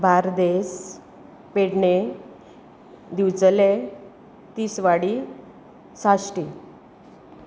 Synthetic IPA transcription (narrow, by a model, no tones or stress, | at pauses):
bʱaɾd̪es | peɽɳe | d̪iwt͡səle | t̪iːsʋaɽi | sasʈi